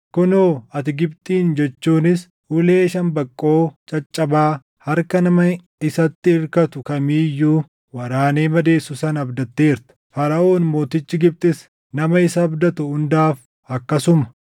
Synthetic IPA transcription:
kʊnoːɐt̪ɪɡɪbt̪ʼiːnd͡ʒɛt͡ʃːuːnɪs | hʊle̞ːʃɐnbɐkʼːo̞ːt͡ʃʼɐt͡ʃʼːɐbaː | hɐɾkɐnɐmɐ | ɪsɐt̪ːɪɪɾkɐt̪ʊkɐmiːjːuː | wɐɾaːne̞ːmɐd̪e̞ːsːʊsɐnɐbd̪ɐt̪ːe̞ːɪɾt̪ɐ̥fɐɾɐʔo̞ːnmo̞ːt̪ɪt͡ʃːɪɡɪb̚t̪ʼɪs | nɐmɐɪsɐːbd̪ɐt̪ʊhʊnd̪aːf | ɐkːɐsʊmɐ̥

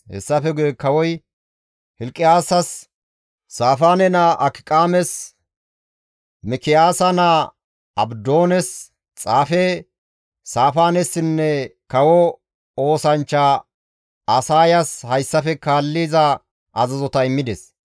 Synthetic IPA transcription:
hɛ̰sːɐfɛɡʊjɛkɐwɔj | hɪlkʼːɪjaːsɐsː | aːfaːnɛnɐʔɐkɪ̥kʼaːmɛs | mɪkɪjaːsɐnɐ | ɐbd̪o̞ːnɛs | t͡sʼaːfɛ | saːfaːnɛsɪnːɛkɐwɔ | oːsɐnt͡ʃːa | ɐsaːjɐshɐjsːɐfɛkaːlːiːzɐ | ʔɐzɐzɔt̪ɐɪmːɪd̪ɛs

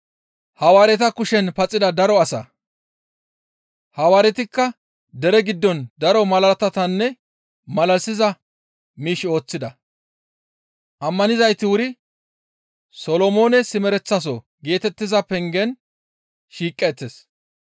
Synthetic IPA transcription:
hɐwaːɾɛt̪ɐkʊʃɛnpɐt͡sʼːɪd̪ɐd̪ɐɾɔɐsɐ̰ | hɐwaːɾɛt̪ɪkːɐ | d̪ɛɾɛɡɪd̪ːɔnd̪ɐɾɔmɐlɐɐt̪ɐt̪ɐnːɛ | mɐlɐsɪzɐ | miːʃo̞ːt͡sːɪd̪ɐ | ʔɐmːɐnɪzɐjt̪ɪwʊɾɪ | sɔlɔmo̞ːnɛsɪmɛɾɛt͡sːɐs̬ɔ | ɡe̞ːt̪ɛt̪ːɪzɐpɛŋɡɛn | ʃiːkʼːɛt̪ːes

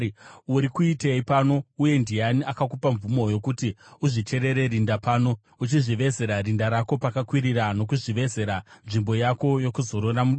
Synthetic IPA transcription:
uɾikuite̞ipano̞uje̞ndianiakakupaɱvumo̞jo̞kutiuʐit͡ʃe̞ɾe̞ɾe̞ɾindapaːno̞ | ut͡ʃiʐiʋe̞ze̞ɾaɾindaɾako̞pakakwiɾirano̞kuʐiʋe̞ze̞ɾanʐimbo̞jako̞jo̞kuzo̞ɾoramuɗ

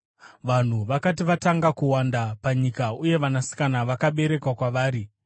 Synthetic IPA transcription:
ʋan̤uʋakatiʋataŋɡakuwandapaɲikauje̞ʋanasi̥kanaʋakaɓe̞ɾe̞kwakwaʋaːɾi

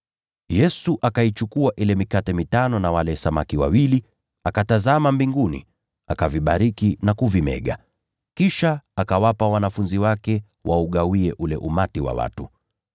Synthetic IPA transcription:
jɛsuʔakait͡ʃukuaʔilɛmikatɛmitanɔnawalɛsamakiwa̰wili | akatazamambiŋɡunḭ | akaviɓaɾikinakuvimɛ̰ɠa̰ | kiʃaːkawapawanafunziwakɛ | wʔauɠawiɛʔulɛʔumatiwa̰wa̰tu

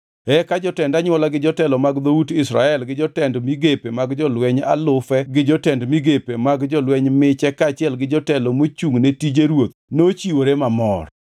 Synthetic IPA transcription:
ɛkad͡ʒɔtɛndaɲwɔlaɡɪd͡ʒɔtɛlɔmaɡd̪outɪsɾa̰ɛlɡɪd͡ʒɔtɛndmiɡepemaɡd͡ʒɔlwɛɲa̰lʊfɛɡɪd͡ʒɔtɛndmiɡepemaɡd͡ʒɔlwɛɲmɪt͡ʃɛkaːt͡ʃɪɛlɡɪd͡ʒɔtɛlɔmot͡ʃuŋnetid͡ʒeɾwot̪not͡ʃiwoɾemamɔr

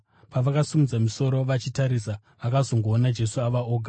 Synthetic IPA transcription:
paʋakasumud͡zamiso̞ɾo̞ʋat͡ʃitaɾisa | ʋakazo̞ŋɡoːnad͡ʒe̞suaʋaoːɡʱa

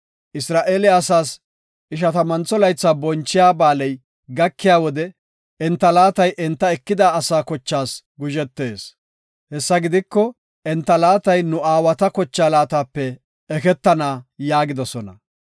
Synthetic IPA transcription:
ʔɪsɾaːʔeːlɪɐsaːs | ʔɪʃ̬ɐt̪ɐmɐnt͡sːɔlɐjt͡sːaːbɔnt͡ʃːɪjaːbaːlɛj | ɡɐkːɪjaːwɔd̪ɛ | ɛnt̪ːɐlaːt̪ɐjʔɛnt̪ːɐɛkːɪd̪aːsaːkɔt͡ʃːaːs | ɡʊʒɛt̪ːe̞ːs | hɛsːɐɡɪd̪ɪkːɔ | ʔɛnt̪ːɐlaːt̪ɐjnʊaːwɐt̪ɐkɔt͡ʃːaːlaːt̪aːpːɛ | ɛkɛt̪ːɐnaːjaːɡɪd̪ɔsɔnɐ̰

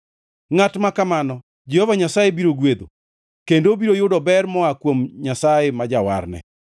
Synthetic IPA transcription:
ŋatmakamanɔ | d͡ʒɛhɔvaɲasajebiɾoɡwed̪o | kendobiɾojʊdɔbɛrmɔakwomɲasajemad͡ʒawa̰ɾnɛ̰

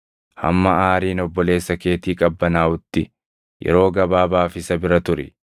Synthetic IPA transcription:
hɐ̰mːɐaːɾiːnɔbːɔle̞ːsːɐke̞ːt̪iːkʼɐbːɐnaːʔʊt̪ːɪ | jɛ̰ɾo̞ːɡɐbaːbaːfɪsɐbɪɾɐt̪ʊɾɪ̰

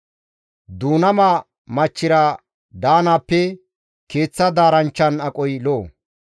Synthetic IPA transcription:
d̪uːnɐmaː | mɐt͡ʃːɪɾɐ | d̪aːnaːpːɛ | ke̞ːt͡sːɐd̪aːɾɐnt͡ʃːɐnɐkʼɔjloː

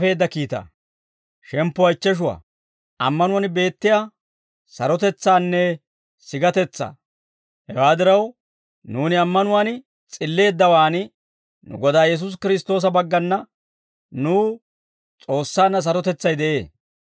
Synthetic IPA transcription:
fe̞ːd̪ːɐkiːt̪ɐ̰ | ʃɛmpːʊwɐɪt͡ʃːɛʃ̬ʊwa̰ː | ʔɐmːɐnʊwɐnbe̞ːt̪ːɪja | sɐɾɔt̪ɛt͡sːaːnːɛ | sɪɡɐt̪ɛt͡sːa̰ː | hɛwaːd̪ɪɾɐw | nuːnɪɐmːɐnʊwaːnɪ | t͡sʼɪlːe̞ːd̪ːɐwaːnɪ | nʊ̰ɡɔd̪aːjɛs̬ʊs̬kɪɾɪst̪o̞ːs̬ɐbɐɡːɐnːɐ | nuː | t͡sʼo̞ːsːaːnːɐs̬ɐɾɔt̪ɛt͡sːɐjd̪ɛʔe̞ː

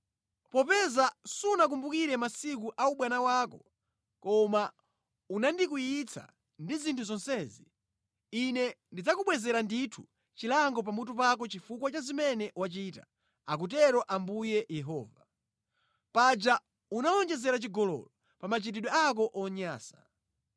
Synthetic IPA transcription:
pɔpɛzasunak̬umbukiɾɛmasik̬uʔauɓwanawaːkɔ | kɔma | unandik̬ujit͡sʰa̰ | ndizintʰuzɔnsɛːzi | inɛndid͡zakuɓwɛzɛɾanditʰu | t͡ʃilaŋɡɔp̬amutup̬ak̬ɔt͡ʃifukwat͡ʃazimɛnɛʔwat͡ʃita̰ | ak̬ut̬ɛɾɔʔambujɛjɛɦɔ̰ːva | pad͡ʒa | unaɔnd͡ʒɛzɛɾat͡ʃiɡɔlɔ̰lɔ | pamat͡ʃitiɗwɔak̬ɔʔɔɲaːsḁ

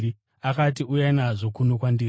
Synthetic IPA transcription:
i | akat̬iujainaʐo̞kuno̞kwandiːr

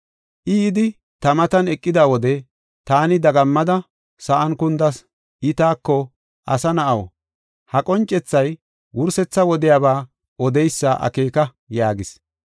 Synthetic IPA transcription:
ʔɪːd̪ɪ | t̪ɐmɐt̪ɐnɛkʼːɪd̪aːwɔd̪ɛ | t̪aːnɪd̪ɐɡɐmːɐd̪ɐ | sɐʔɐnkʊnd̪ɐs | ɪt̪aːkːɔ | ʔɐsɐnɐʔɐwɔ̰ | hɐkʼɔnt͡ʃʼːɛt͡sːɐj | wʊɾsɛt͡sːɐwɔd̪ɪjaːbaː | ɔd̪ɛjsːɐʔɐ̰ke̞ːkɐ | jaːɡɪs

